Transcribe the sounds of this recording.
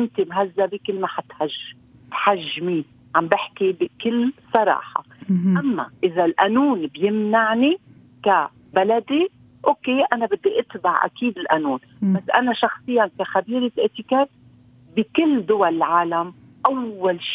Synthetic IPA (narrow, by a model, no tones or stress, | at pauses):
ʔɪnt̪imɦazːabikɪlːmaħat̪ħaʒː | t̪ħaʒːmiː | ʕambɪħkibikɪlːsˤɑɾˤɑ̰ːħɑ̰ʔamːa̰ʔɪzalʔanuːnbjɪmnaʕni | ka | balad̪i | ʔoːkeʔanabɪd̪ːiʔɪt̪baʕʔa̰kiːd̪ɪlʔanuːn | basːʔa̰naʃɑxsˤɨjːankaxabiːɾɪʔeʔt̪ɪkaːt̪̚ | bɪkɪlːd̪ʊwalɪlʕaːlam | ʔawːalʃiː